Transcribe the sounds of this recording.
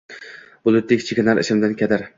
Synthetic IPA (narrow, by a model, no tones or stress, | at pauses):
bʊlˠʊt̪lɪkʲt͡ʃʰekʲɪnaɾɪ̰ʃɪmd̪ankʲʰad̪aɾ